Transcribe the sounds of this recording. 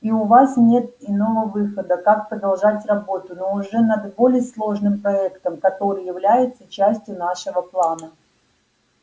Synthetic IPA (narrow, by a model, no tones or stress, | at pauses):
iʊvasnʲe̞t̪ɪno̞vəvɨxəd̪əkak̚pɾəd̪ɐlˠʐatʲrɐbo̞t̪ʊnoʊʐɛnɐd̪bo̞lʲɪjəslˠo̞ʐnɨmpɾɐɛkt̪əmkɐt̪o̞ɾɨjɪvlʲæjɪt̪sət͡ɕæsʲtʲjʊnaʂɨvəplˠanə